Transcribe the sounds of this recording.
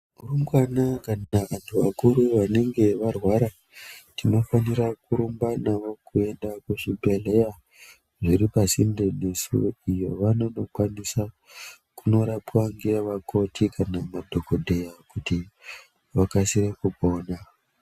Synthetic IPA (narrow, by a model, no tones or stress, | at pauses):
urumɡwanakanaʋantʰuʋa̰kuɾuʋane̞ŋɡe̞ʋarwaɾa | tino̞faniɾakuɾumbanaʋo̞kue̞ndakuʐibʱe̞le̞ja | ʐiɾipasinde̞ne̞sṵijo̞ʋano̞no̞kwanisa | kuno̞ɾapwaŋɡeʋakʰo̞tʰikanamadʱo̞kodʱe̞jakuti | ʋakasirekubo̞ːna